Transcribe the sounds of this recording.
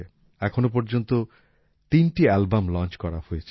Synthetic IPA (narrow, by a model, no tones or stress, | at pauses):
e | ɛkʰonop̬ɔɾd͡ʑont̪o | t̪inʈialbamlɔnt͡ʃkɔɾahojet͡ɕʰe̥